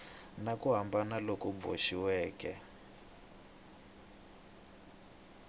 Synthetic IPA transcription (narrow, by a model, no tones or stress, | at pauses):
nakuɦambanalokɔbo̰ʃiwɛːkɛ